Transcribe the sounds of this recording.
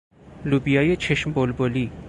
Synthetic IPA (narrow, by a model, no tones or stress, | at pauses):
lubijajet͡ɕʰeʃbolboli